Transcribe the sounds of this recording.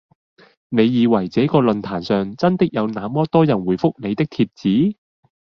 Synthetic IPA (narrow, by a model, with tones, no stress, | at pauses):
ne˨˧jjiː˨˧wɐ˨˩jt͡sɛː˨˥kɔː˧lɵ˨nt̪ʰaː˨˩nsœː˨ŋt͡sɐ˥nt̪ɪ˥k̚jɐ˨˧wnaː˨˧mɔː˥t̪ɔː˥jɐ˨˩nwuː˨˩jfʊ˥k̚ne˨˧jt̪ɪ˥k̚t̪ʰiː˧p̚t͡siː˨˥